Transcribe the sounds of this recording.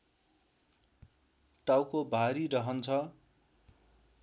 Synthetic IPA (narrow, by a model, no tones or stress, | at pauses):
ʈawkobʱaɾiɾʌɦʌnt͡sʰʌ